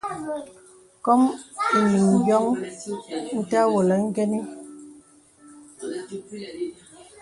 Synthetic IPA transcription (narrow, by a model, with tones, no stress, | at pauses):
kɔ˦mi˨ni˨ŋ˨ɡjɔ˦ŋ | n̩˦ta˦wo˨lɛ˨ŋ̩˦ɡɛ˦ni˦